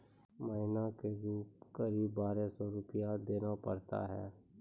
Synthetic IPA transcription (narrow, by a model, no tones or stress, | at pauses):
məɦɪnakeɾuːpkəɾiːbːaːɾesɔɾʊpɪjad̪eːnapəɾt̪a̰ɦɛ̰ː